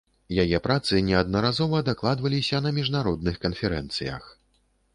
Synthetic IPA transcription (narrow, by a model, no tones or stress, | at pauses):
jajɛpɾat̪sɨnʲɛɐd̪̚nɐɾazɔvɐd̪aklˠad̪vɐlʲisʲɐnɐmʲiʐnaɾɔd̪̚nɨxkɐnfʲɛɾɛnt̪sɨjɐ̰x